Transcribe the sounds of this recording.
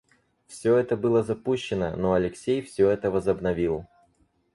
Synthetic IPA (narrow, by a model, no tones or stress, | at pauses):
fsʲɵɛt̪əbɨlˠəzɐpuɕːɪnə̰noɐlʲɪksʲejfsʲɵɛt̪əvəzəbnɐvʲilˠ